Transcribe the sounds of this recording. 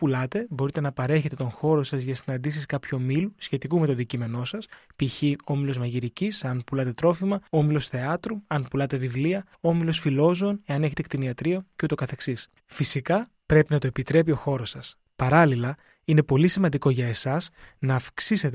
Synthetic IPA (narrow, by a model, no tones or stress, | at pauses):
pulɐt̪e̞bo̞ɾit̪e̞nɐpɐɾe̞çet̪e̞t̪o̞nxo̞ɾo̞sɐzʝɐsinɐnd̪isiskɐpçuomilusçe̞t̪ikumet̪o̞ðicime̞no̞sɐspiçio̞milo̞zmɐʝiɾicisɐnpulɐt̪e̞t̪ɾo̞fimɐomilo̞sθe̞ɐt̪ɾuɐnpulɐt̪e̞vivliɐ | omilo̞sfilo̞zoone̞ɐneçet̪ek̚t̪iniɐt̪ɾio̞ceut̪o̞kɐθe̞ksis | fisikɐ | pɾe̞pinɐt̪oepit̪ɾe̞p̬io̞xo̞ɾo̞sɐs | pɐɾɐlilɐ | ine̞po̞lisimɐnd̪iko̞ʝɐe̞sɐsnɐːfksise̞t̪